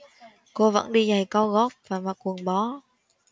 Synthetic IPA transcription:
ko˧və̰˧˥nɗi˧za˨˩jkɔ˧ɣɔ˦˥p̚vaː˨˩ma˨˩kwu˨˩əŋɓɔ˨˦

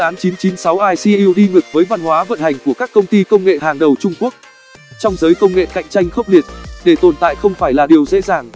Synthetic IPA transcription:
aː˨˦nt͡ɕi˨˦nt͡ɕi˨˦nsa˨˦wʔaː˧jsi˧ʔi˧wɗi˧ŋɨ˨˩k̚vəː˨˦jva˧nhwaː˨˦və̰˧˨nha˨˩jŋ̟ku˧˩əkaː˦˥kːə˧wŋ͡mt̪i˧kə˧wŋ͡mŋḛ˧˨haː˨˩ŋɗə˨˩wt͡ɕʊ˧ŋ͡mku˦˥ək̚ | t͡ɕɔ˧wŋ͡mzəː˨˦jkə˧wŋ͡mŋḛ˧˨ka̰˧˨jŋt͡ɕa˧jŋ̟xə˦˥wk͡p̚ɗi˨˩ət̚ɗe˧˩t̪o˨˩nt̪a̰ː˧˨jxə˧wŋ͡mfaː˧˩jlaː˨˩ɗi˨˩əwzḛ˧˥zaː˨˩ŋ

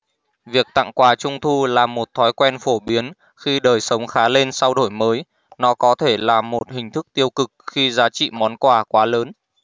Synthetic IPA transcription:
vi˨˩ək̚t̪a̰˧˨ŋkwaː˨˩t͡ɕʊ˧ŋ͡mt̪ʰu˧laː˨˩mo˨˩t̚t̪ʰɔ˨˦jkwɛ˧nfo˧˩ɓi˨˦ən | xi˧ɗəː˨˩jsə˨˦wŋ͡mxaː˨˦le˧nsa˧wɗo˧˩jməː˨˦j | nɔ˨˦kɔ˨˦t̪ʰe˧˩laː˨˩mo˨˩t̚hï˨˩ŋ̟t̪ʰɨ˦˥k̚t̪i˧əwkɨ˨˩k̚xi˧zaː˨˦t͡ɕḭ˧˨mɔ˨˦nkwaː˧˩kwaː˨˦ləː˨˦n

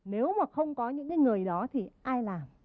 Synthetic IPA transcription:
ne˨˦wmaː˨˩xə˧wŋ͡mkɔ˨˦ɲɨ̰˧˥ŋkaː˨˦jŋɨ˨˩əjɗɔ˨˦t̪ʰi˨˩ʔaː˧jlaː˨˩m

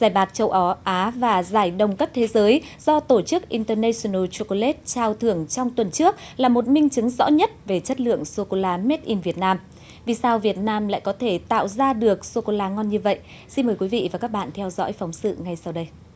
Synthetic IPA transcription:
zaː˧˩jɓaː˨˩k̚t͡ɕə˧˩wʔɔ˨˩ʔaː˨˦vaː˨˩zaː˧˩jɗə˨˩wŋ͡mkə˦˥p̚t̪ʰe˨˦zəː˨˦jzɔ˧t̪o˧˩t͡ɕɨ˦˥k̚ʔi˧nt̪əː˧nɛ˧so˧nə˧t͡ɕo˧ko˧le˦˥t̚t͡ɕaː˧wt̪ʰɨ˧˩əŋt͡ɕɔ˧wŋ͡mt̪wə˨˩nt͡ɕɨ˦˥ək̚laː˨˩mo˨˩t̚mï˧ŋ̟t͡ɕɨ˨˦ŋzɔ̰˧˥ɲə˦˥t̚ve˨˩t͡ɕə˦˥t̚lɨ̰˧˨əŋso˧ko˧laː˧me˦˥t̚ʔi˧nvi˨˩ət̚naː˧m | vi˨˩saː˧wvi˨˩ət̚naː˧mla̰ː˧˨jkɔ˨˦t̪ʰe˧˩t̪a̰ː˧˨wzaː˧ɗɨ˨˩ək̚so˧ko˧laː˧ŋɔ˧nɲɨ˧və̰˧˨j | si˧nməː˨˦jkwi˨˦vḭ˧˨vaː˨˩kaː˦˥k̚ɓa̰ː˧˨nt̪ʰɛ˧wzɔ̰˧˥jfɔ˨˦wŋ͡msɨ̰˧˨ŋa˨˩jsa˧wɗə˧j

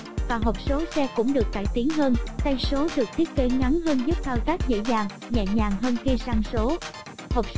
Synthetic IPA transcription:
vaː˨˩ɦo˨˩k͡p̚so˨˦sɛ˧kʊ̰˧˥ŋ͡mɗɨ˨˩ək̚t̪a̰ː˧˩jt̪i˨˦əŋɦəː˧nt̪a˧jso˨˦ɗɨ˨˩ək̚t̪ʰi˦˥ət̚ke˨˦ŋa˨˦nɦəː˧nzɨ˦˥p̚kaː˧wt̪aː˦˥k̚zḛ˧˥zaː˨˩ŋ | ɲɛ˧˨˩ɲaː˨˩ŋɦəː˧nxi˧saː˧ŋso˨˦ | ho˨˩k͡p̚

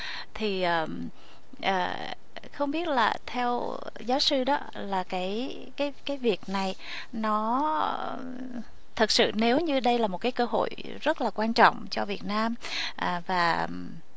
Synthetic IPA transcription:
t̪ʰi˨˩ʔəː˨˩ | ʔəː˨˩ | xə˧wŋ͡mɓi˦˥ət̚laː˨˩t̪ʰɛ˧w | zaː˨˦wsɨ˧ɗɔ˨˦ | laː˨˩kaː˨˦j | kaː˨˦jkaː˨˦jvi˨˩ək̚na˨˩j | nɔ˨˦ | t̪ʰɨ˨˩k̚sɨ̰˧˨ne˨˦wɲɨ˧ɗə˧jlaː˨˩mo˨˩t̚kaː˨˦jkəː˧ɦo̰˧˨j | zə˦˥t̚laː˨˩kwaː˧nt͡ɕɔ̰˧˨wŋ͡mt͡ɕɔ˧vi˨˩ət̚naː˧m | ʔəː˨˩vaː˨˩

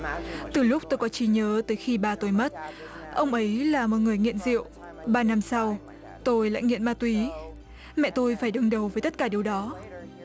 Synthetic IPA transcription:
t̪ɨ˨˩lʊ˦˥k͡p̚t̪o˧jkɔ˨˦t͡ɕi˨˦ɲəː˨˦t̪əː˨˦jxi˧ɓaː˨˩t̪o˧jmə˦˥t̚ | ʔə˧wŋ͡mʔə˨˦jlaː˨˩mɔ˨˩t̚ŋɨ˨˩əjŋḭ˧˨ənzḭ˧˨ə˨w | ɓaː˨˩na˧msa˧w | t̪o˧jla̰ː˧˨jŋḭ˧˨ənmaː˧t̪wi˨˦ | mɛ̰˧˨t̪o˧jfaː˧˩jɗɨ˨˩ŋɗə˨˩wvəː˨˦jt̪ə˦˥t̚kaː˧˩ɗi˨˩əwɗɔ˨˦

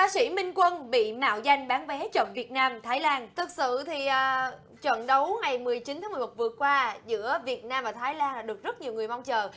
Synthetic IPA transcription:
ɓaː˨˦sḭ˧˥mï˧ŋ̟kwə˧nɓḭ˧˨ma̰ː˧˨wza˧jŋ̟ɓaː˨˦nvɛ˨˦t͡ɕə̰˧˨nvi˨˩ət̚naː˧mt̪ʰaː˨˦jlaː˧nt̪ʰɨ˨˩k̚sɨ̰˧˨t̪ʰi˨˩ʔəː˨˩ | t͡ɕwə̰˧˨nɗə˨˦wŋa˨˩jmɨ˨˩əjt͡ɕi˨˦t̪ʰaː˨˦ŋɨ˨˩mo˨˩t̚vɨ˨˩əkwaː˧zɨ̰˧˥əvi˨˩ət̚naː˧mvaː˨˩t̪ʰaː˨˦jlaː˧nlaː˨˩ɗɨ˨˩ək̚zə˦˥t̚ɲi˨˩əwŋɨ˨˩əjma˧wŋ͡mt͡ɕəː˨˩

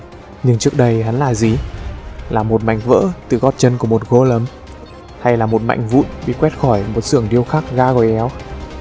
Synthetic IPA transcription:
ɲɨ˧ŋt͡ɕək̚ɗə˧jɦa˨˦nlaː˨˩zi˨˩ | laː˨˩mo˨˩t̚ma̰˧˨jŋ̟və̰ː˧˥t̪ɨ˨˩ɣɔ˦˥t̚t͡ɕə˧nku˧˩əmo˨˩t̚ɣo˧lə˨˦m | ha˧jlaː˨˩mo˨˩t̚ma̰˧˨jŋ̟vṵ˧˨jɓḭ˧˨kwɛ˦˥t̚xɔ˧˩jmo˨˩t̚sɨ̰˧˩əŋɗi˧əwxaː˦˥k̚ɣaː˧ɣɔ˨˩jʔɛ˨˦w

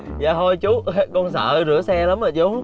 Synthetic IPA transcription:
za̰ː˨˩t̪ʰo˧jt͡ɕu˨˦˥kɔ˧nsə̰ː˧˨zɨ̰˧˩əsɛ˧la˨˦mə˧˨˩t͡ɕo˨˦

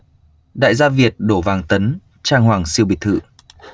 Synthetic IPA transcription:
ɗa̰ː˧˨jzaː˧vi˨˩ət̚ɗo˧˩vaː˨˩ŋt̪ə˨˦n | t͡ɕaː˧ŋhwaː˨˩ŋsi˧əwɓi˨˩t̪ʰɨ̰˧˩˨

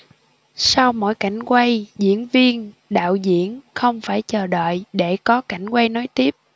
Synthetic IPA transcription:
sa˧wmo̰˧˥jka˧˩jŋ̟kwa˧jzḭ˧˥ənvi˧ənɗa̰ː˧˨wzḭ˧˨ənxə˧wŋ͡mfaː˧˩jt͡ɕəː˨˩ɗə̰ː˧˨jɗe˧˩kɔ˨˦ka˧˩jŋ̟kwa˧jno˨˦jt̪i˦˥əp̚

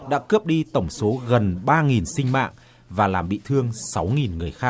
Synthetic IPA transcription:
ɗa̰ː˧˥kɨ˦˥əp̚ɗi˧t̪ə˧˩wŋ͡mso˨˦ɣə˨˩nɓaː˧ŋi˨˩nsï˧ŋ̟ma̰ː˧˨ŋ | vaː˨˩laː˨˩mɓḭ˧˨t̪ʰɨ˧əŋsa˨˦wŋi˨˩nŋɨ˨˩əjxaː˦˥k̚

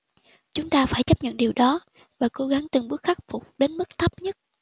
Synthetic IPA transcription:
t͡ɕʊ˨˦ŋ͡mt̪aː˧faː˧˩jt͡ɕə˦˥p̚ɲə̰˧˨nɗi˨˩wɗɔ˨˦ | vaː˨˩ko˨˦ɣa˨˦ŋt̪ɨ˨˩ŋɓɨ˦˥ək̚xa˦˥k̚fʊ˨˩k͡p̚ɗe˨˦nmɨ˦˥k̚t̪ʰə˦˥p̚ɲə˦˥t̚

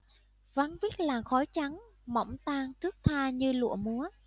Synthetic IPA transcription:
va˧˦ŋvi˦˥k̚laː˨˩xɔ˨˦jt͡ɕa˨˦ŋmɔ̰˧˩wŋ͡mt̪aː˧ŋt̪ʰɨ˦˥ək̚t̪ʰaː˧ɲɨ˧lṵ˧˨əmu˨˦ə

